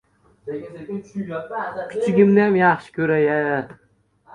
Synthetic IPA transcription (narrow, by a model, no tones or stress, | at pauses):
kʰʲyt͡ʃʰɪɡʲɪmnɪjamjɑχʃɪ̥kʲʰɵɾaja